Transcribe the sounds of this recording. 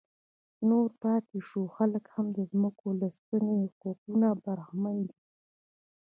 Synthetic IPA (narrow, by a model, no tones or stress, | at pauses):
noɾpɑt̪eʃuxaləkhamd̪əzməkolast̪ənexoqunabaɾxmand̪i